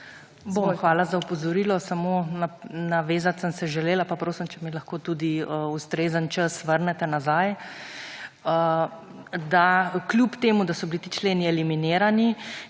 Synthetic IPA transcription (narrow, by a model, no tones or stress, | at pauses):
boxʋaːlazaupɔzɔɾiːlɔsamoːnanaʋeːzat̪səmsɛʒɛleːlapapɾoːsimt͡ʃɛmilɐxkoːt̪uːd̪iəust̪ɾeːzənt͡ʃəsʋəɾnɛt̪ɛnazaj | ə | d̪aklʲjupt̪eːmud̪asɔbilit̪iːt͡ʃleːniɛlimineːɾani